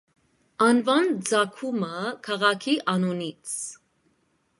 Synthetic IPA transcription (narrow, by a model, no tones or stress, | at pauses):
ɑnvɑnd͡zɑkʰuməkʰɑʁɑkʰiʔɑnunit͡sʰ